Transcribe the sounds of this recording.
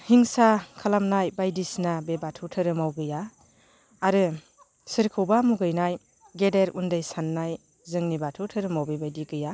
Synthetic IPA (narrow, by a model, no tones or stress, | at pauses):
hiŋsakʰalamnajbajdisnabebatʰutʰɯɾɯmawɡɯjaː | ɾɯ | sɯɾkʰɯwbamuɡɯjnaj | ɡedeɾundɯjsanːaj | zɯŋnibatʰutʰɯɾɯmawbebajdiɡɯja